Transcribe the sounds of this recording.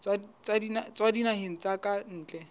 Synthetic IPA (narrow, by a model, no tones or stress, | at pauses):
t͡swat͡sadinat͡swadinahɪn̩t͡sakʼan̩ːt͡ɬʼɛ